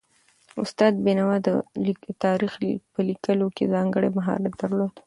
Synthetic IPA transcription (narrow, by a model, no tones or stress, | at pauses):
ʊst̪ɑd̪̚binawɑd̪ət̪ɑɾixpəlikəlokezɑŋɡəɽemaɦɑ̰ɾad̪əɾlod̪